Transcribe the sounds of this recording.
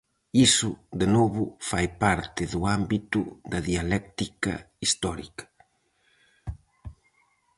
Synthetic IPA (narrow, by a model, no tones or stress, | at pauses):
isʊd̪enɔβʊfajpaɾt̪ɪðʊambit̪ʊ̰d̪ɐðialɛk̚t̪ikɐ̰ | ist̪ɔɾḭkɐ̥